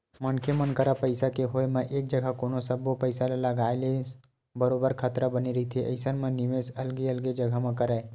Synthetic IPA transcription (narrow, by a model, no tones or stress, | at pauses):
mənkʰemənkəɾapəɪsakeɦoemẽʔeːk̚d͡ʒəɡʱakoːnosəbopəɪsaleləɡaːele | bəɾoːbəɾkʰət̪ɾabəniɾəɦit̪ʰiʔɐ̰ɪsənmə̃nɪmeːsɐlɡiəlɡed͡ʒəɡʱamẽkəɾəe